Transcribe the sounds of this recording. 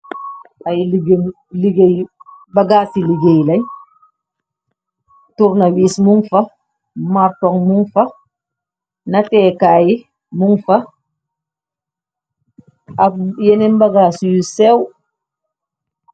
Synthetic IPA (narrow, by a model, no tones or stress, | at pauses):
ajliɡen | liɡejbaɡaːsiliɡejlaj | tuɾnawiːsmuŋfa | maɾtɔŋmuŋfa | natɛkaji | muŋfa | ajɛnɛnbaɡaːsijusɛw